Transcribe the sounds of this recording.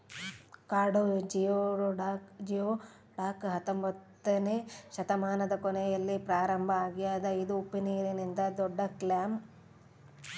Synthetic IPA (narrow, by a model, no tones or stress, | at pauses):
kaːɾɖod͡ʒijoɾɖaːkd͡ʒijoː | ɖaːkɦɐt̪ːombɐt̪ːɐneʃɐt̪ɐmaːnɐd̪ɐkɔnɛjɐlːipɾaːɾɐmbʱɐaːɡijaːd̪ɐjid̪uːpːiniːɾinind̪ɐd̪ɔɖːɐklaːm